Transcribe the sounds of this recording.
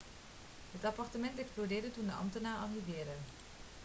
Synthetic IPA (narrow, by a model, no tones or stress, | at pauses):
ɦətɑpɑɹtəmɛntɛksplodɪːɹdətundəʔɑ̰mtənaːɹɑlɦivɪːɹdə